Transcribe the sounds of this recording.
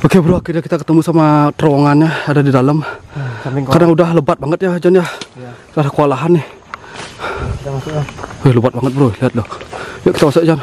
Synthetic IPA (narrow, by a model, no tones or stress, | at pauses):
okebəɾohakirjakit̪akət̪əmusamat̪əɾoŋanɲaadadidaləm | kadaŋudahləbat̪̚baŋət̪̚jad͡ʒanjah | dadakəalaɦanɪh | ehləbat̪̚baŋət̪̚bəɾoliɦat̪̚lohjaʔki̥t̪amasʊʔd͡ʒan